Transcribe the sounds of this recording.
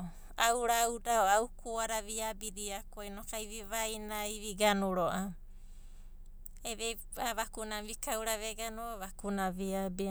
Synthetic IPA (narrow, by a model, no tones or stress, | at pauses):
awɾawdaoawkʰuaɾaβiabiɾiakojnokaiβiβajnaiβiɡanuɾoʔa | eβe | aβakunaβikawɾaβeɡanuoβakunaβiabi